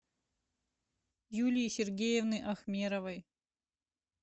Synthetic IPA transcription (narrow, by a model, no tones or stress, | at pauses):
julʲijsʲerɡʲejevnɨjʔɐxmʲeɾɐvɐj